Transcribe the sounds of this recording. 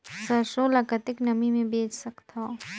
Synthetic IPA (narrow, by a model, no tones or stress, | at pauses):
sɐɾʃõlɐkət̪ɪknɐmimẽbeːt͡ʃsɐkt̪ʰa